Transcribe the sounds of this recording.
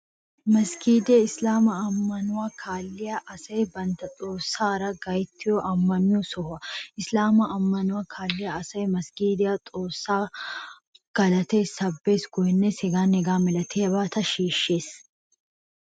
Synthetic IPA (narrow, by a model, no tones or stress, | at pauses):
mɐskʰiːd̪eɪslaːmɐɐmːɐnʊwakʰaːlːɪjɐʔɐsɐjbɐnt̪ɐt̪ʼo̞ːsːaːɾɐɡɐjt̪ʰːɪjɔʔɐmːɐmɪjɔsɔhʊɐɪslaːmɐʔɐmːɐnʊwaːkʰaːlːɪjɐːsɐjmɐskiːd̪ɪjat̪ʼo̞ːsːaː | ɡ̥ɐlɐt̪eːsɐbːeːsɡɔjnːeshɛɡaːnɛɡaːmɛlɐt̪ʰebaːt̪ɐʃiːʃːeːs